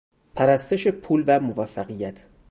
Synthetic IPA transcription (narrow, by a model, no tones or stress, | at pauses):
pʰæɾæst̪eʃe̞pʰuːlvæmovæfːæɣijæt̪ʰ